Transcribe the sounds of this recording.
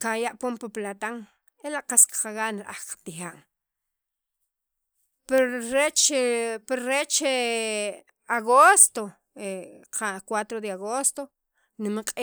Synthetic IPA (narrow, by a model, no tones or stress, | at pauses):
qajaʔpompaplat̪aŋ | elaʔqaskqaɣaʔnɾʔaχqḁt̪ixaːŋ | peɾɾet͡ʃpeɾɾet͡ʃe | aɣost̪o | eqʰakwat̪ɾod̪eaɣost̪o | nimqʼi